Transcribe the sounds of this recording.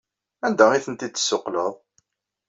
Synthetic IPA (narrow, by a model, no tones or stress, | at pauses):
ænd̪æiθənt̪it͡sːsːʊqləðˤ